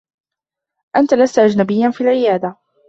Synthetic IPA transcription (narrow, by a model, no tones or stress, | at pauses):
ʔant̪alast̪ʔad͡ʒnabɪjːanfiːlʕɪjaːd̪a